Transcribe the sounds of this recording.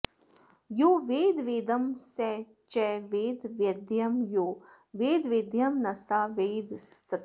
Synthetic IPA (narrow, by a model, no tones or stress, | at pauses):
joːʋeːd̪ʋeːd̪ɐmsɛː | t͡ʃɛʋeːd̪ʋjɐd̪jɐmjoː | ʋeːd̪ʋeːd̪jɐmnɐst̪aːʋeːd̪sɐ